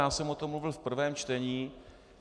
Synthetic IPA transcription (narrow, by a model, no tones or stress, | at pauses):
aːsɛmot̪ommuvɪlfpr̩vɛːmt͡ʃt̪ɛɲiː